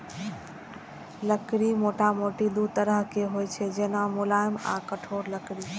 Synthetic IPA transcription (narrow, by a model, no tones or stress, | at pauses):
ləkɾimoːʈamoːʈid̪ut̪əɾəɦkeɦoet͡ʃʰed͡ʒeːnãmʊlaːɪmã̰kəʈʰoːɾləkɾi